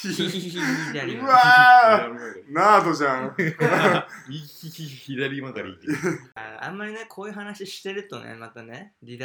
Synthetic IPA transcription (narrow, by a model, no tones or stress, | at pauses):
ɯa | naːt̪oʑã | iiiçiɾaɾʲimakaɾʲit̪ːaã̰mːaɾʲinekʰoːjɯ̟ːɦanaɕiɕi̥t̪eɾɯ̟t̪o̞̰nḛmat̪aneɾʲid̪